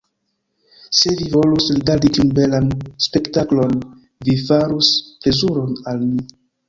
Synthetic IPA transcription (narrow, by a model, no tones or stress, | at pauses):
se̞vivo̞lusliɡaɾditiunbe̞lanspe̞ktaklo̞n | vifaɾusple̞zuɾo̞nalmi